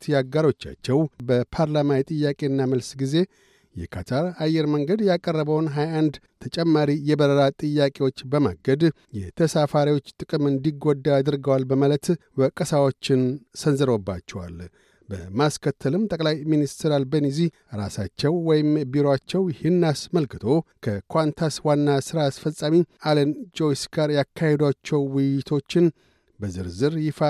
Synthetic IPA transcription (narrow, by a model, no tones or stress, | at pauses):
t̪ʰjaɡaɾo̞t͡ʃːa̰t͡ʃːɛwbəpʰaɾlamawjt̪ʼɨjːakʼe̞ɨnːaməlsɡize̞ | jɛ̰kʰat̪ʰaɾajːɛɾməŋɡəd̪jakʼərːəbəwnɦajand̪ | t̪ʰət͡ʃʼɛmːaɾijɛbəɾəlat̪ʼɨjːakʼe̞wo̞t͡ʃːbəma̰ɡəd̪ | jɛt̪ʰəsafaɾiwo̞t͡ʃːt̪ʼɨkʼɨmɨnd̪iɡod̪ːaad̪ɨɾɡəwalbəmalət̪wəkʼəsawo̞t͡ʃːɪnsənzɨɾo̞bːat͡ʃːɛwa̰l | bəmaskʰət̪ʰːəlɨmt̪ʼəkʼlajminist̪ʰɾalbənizi | ɾa̰sat͡ʃːɛwːɔjɪmbiɾoat͡ʃːɛwjɛhɪnːasməlkɨt̪ʰo̞kʰəkʰwʷant̪ʰaswanːasɨɾaːsfəsʼːamialənd͡ʒo̞jsɡaɾjakʰːahed̪wat͡ʃːɛwwɪjjɪt̪ʰo̞t͡ʃːɪn | bəzɨɾzɨɾjɪfa